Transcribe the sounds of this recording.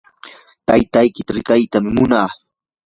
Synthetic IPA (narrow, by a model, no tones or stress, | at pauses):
t̪ajt̪ajkɪt̪aɾɪkajt̪amɪmʊnaː